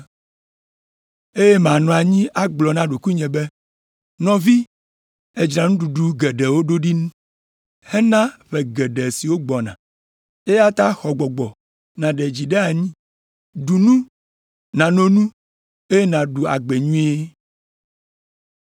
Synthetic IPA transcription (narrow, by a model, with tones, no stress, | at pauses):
e˦je˦mã˨nɔ̃˨a˨ɲĩ˦ʔa˦ɡ͡blɔ˨nã˦ɖo˨ku˦ɲɛ̃˨be˦ | nɔ̃˨vi˦ | e˨d͡ʒɾa˨nũ˦ɖu˨ɖu˦ɡɛ˨ɖɛ˨wo˦ɖo˦ɖi˦nũ˦ | hɛ˦nã˦ɸɛ˨ɡɛ˨ɖɛ˨si˨wo˦ɡ͡bɔ˨nã̰˨ | e˦ja˦t̪a˦xɔ˨ɡ͡bɔ˨ɡ͡bɔ˨ | nã˨ɖɛ˨d͡ʑi˨ɖe˦a˨ɲĩ˦ | ɖu˨nũ˦ | nã˨nõ˨nũ˦ | e˦je˦nã˨ɖu˨a̰˨ɡ͡bɛ˨ɲũ˦e˦